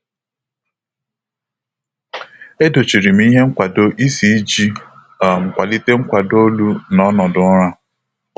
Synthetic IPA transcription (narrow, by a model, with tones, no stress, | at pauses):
e˦do˨t͡ʃi˨ɾi˨m̩˦i˦ɦe˦ŋ̩˦kʷa˨do˦ʔi˦si˨˦d͡ʒi˦ | a˨ŋ͡m̩˨kʷa˨li˦te˦ŋ̩˦kʷa˨do˦lu˦nɔ˦nɔ˨dʊ˨˦ɾa˦